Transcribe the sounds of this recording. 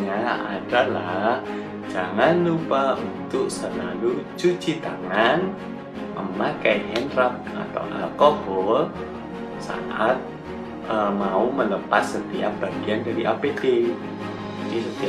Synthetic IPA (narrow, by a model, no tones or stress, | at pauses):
ɲaa̰d̥alah | d͡ʒ̥aŋanlupaunt̪ʊʔsəlalut͡ʃu̥t͡ʃit̪aŋan | ʔəmakɛjɛnrap̚a̰t̪a̰ʔa̰kɔɦɔ | sa̰ʔat̪̚ | əmaumələpasːət̪ia̰p̚b̥aɡ̥iandaɾiʔapet̪ɪ | inisət̪ia